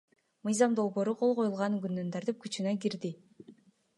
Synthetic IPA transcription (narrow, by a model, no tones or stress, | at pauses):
mɯjzɑmd̪o̞lˠbo̞ːɾuqʰo̞lˠʁo̞julˠʁɑnɡynd̪ynt̪ʰɑɾt̪ɯp̚kyt͡ʃynøɡiɾd̪i